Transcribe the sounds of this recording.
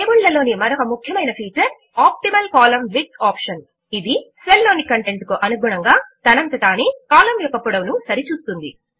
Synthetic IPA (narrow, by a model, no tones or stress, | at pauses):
eːmuɭːɐlo̞ːnimɐɾɔkɐmukʰjɐmɐjnɐpʰiːt͡ʃɐɾ | aːp̚ʈimɐlkaːlɐmʋiʈ̚saːpʂɐn | id̪iselːo̞ːnikɐɳʈe̞ɳʈkuʔɐnuɡʱuɽɐŋɡaːt̪ɐnɐnt̪ɐt̪aːneːkaːlɐmʋɛpːɐpːuɽɐmnusɐɾit͡ʃuːst̪und̪ḭ